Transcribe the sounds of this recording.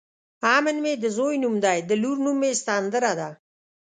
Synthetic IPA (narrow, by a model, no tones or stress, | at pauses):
aːmənmed̪əzoːjnumd̪ajd̪əluɾnumːest̪aːnd̪əɾad̪a